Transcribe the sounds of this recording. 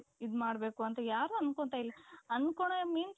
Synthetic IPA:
id̪maːɽbe̞ːkuɐnt̪ɐjaːɾuɐnkoɳt̪aːilːɐɐnkoɳemiːns

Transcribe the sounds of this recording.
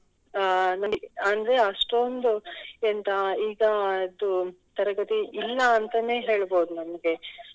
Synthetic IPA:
nɐɡiɐnd̪ɾeɐʂʈond̪uent̪ɐiːɡɐɐd̪u | t̪ɐɾɐɡɐt̪iʔilːɐːnt̪ɐne̞ːɦe̞ːɭboːd̪unɐmɐɡe̞

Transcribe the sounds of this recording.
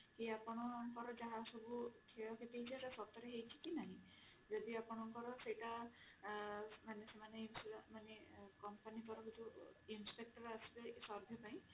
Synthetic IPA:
kiapɔɽɔŋkɔɾɔd͡ʒaɦãsɔbukʰɛjɔket̪ejt͡ʃʰɛzasɔp̚t̪ɔɾeɦejt͡ʃʰi̥kinaɦĩ | d͡ʒɔd̪iapɔñɔŋkɔɾɔsejta | manesemaneinsmanekɔmpanipɔɾɔkutuinspek̚ʈɔɾasilesɔɾb̪ʱjɔpaj̃

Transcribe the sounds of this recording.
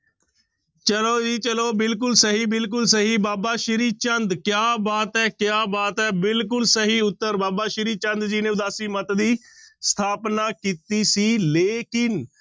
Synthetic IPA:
t͡ʃəloːd͡ʒiːt͡ʃəloːbɪlk̬ʊlsəɦiːbɪlk̬ʊlsəɦiːbaːbaːʃɪɾiːt͡ʃənd̪kjaːbaːt̪ɛːkjaːbaːt̪ɛːbɪlk̬ʊlsəɦiːʊt̪ːəɾbaːbaːʃɪɾiːt͡ʃənd̪d͡ʒiːnẽːʊd̪aːsiːmət̪d̪iː | st̪ʰaːpnaːkiːt̪iːsiːleːkɪn

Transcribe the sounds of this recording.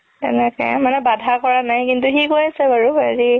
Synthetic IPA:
tɛ̰nɛkɛ̰manɛbadʱakɔɹanajkintʊxikojasɛbaɹuaɹi

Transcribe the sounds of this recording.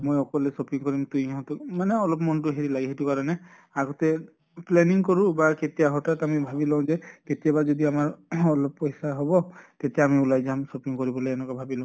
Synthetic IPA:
mojɔkɔlesopiŋkɔɾimt̪uj̃ɦɔ̃t̪umaneɔlɔpmɔntuɦeɾilaɡiɦetukaɾɔne | aɡɔt̪e | pleniŋkɔɾubaket̪ijaɦɔʈatamibʱabilɔw̃d͡ʒeket̪ijabad͡ʒɔd̪iamaɹɔlɔppɔjsaɦɔbɔt̪et̪eamiulajd͡ʒamsopiŋkɔɾibɔleenɔkabʱabilɔ̃

